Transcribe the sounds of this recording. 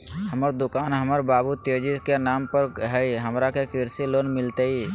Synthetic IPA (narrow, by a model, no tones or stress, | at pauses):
ɦəməɾd̪ʊkaːnɦəməɾbabut̪ed͡ʒikenampəɾɦəjɦəmɾakekiɾsilonmɪlt̪əi